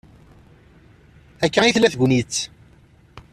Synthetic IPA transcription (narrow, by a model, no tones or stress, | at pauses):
ækːæiθlæθɡʷnit͡sː